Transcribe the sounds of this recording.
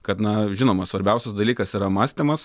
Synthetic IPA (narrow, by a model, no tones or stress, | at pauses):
kɐt̪nɐʒʲɪnoːmɐsʋɐɾʲbʲɛʊsʲɛsd̪ɐlʲiːkɐsiːɾɐmɑːsʲt̪ʲɪmɐs